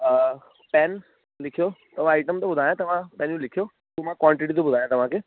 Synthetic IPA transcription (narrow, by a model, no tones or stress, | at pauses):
pɛːn | lɪkʰijot̪ɐʋ̤ãaɪʈəmt̪ɐbʊd̪ʱaːjãt̪ɐʋ̤ãpɛ̃ːnjũlɪkʰijo | t̪omãkʋãːɳʈɪʈit̪obʊd̪ʱaːjãt̪ɐʋ̤ãkʰeː